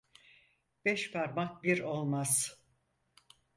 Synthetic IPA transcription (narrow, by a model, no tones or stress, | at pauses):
b̥ɛʃpʰaɾmak̚biɾo̞lˠmaz̥